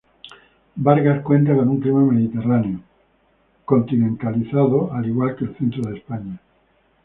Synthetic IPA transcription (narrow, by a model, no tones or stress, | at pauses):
baɾɣaskwẽ̞nt̪akonuŋkɾimemeðit̪eraneo | ko̞nt̪inẽnt̪aliθaðoaliɣwalkelθent̪ɾoð̞espaɲa